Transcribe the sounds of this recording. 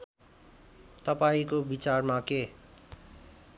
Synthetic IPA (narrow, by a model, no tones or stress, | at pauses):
t̪ʌpaĩkobit͡sarmake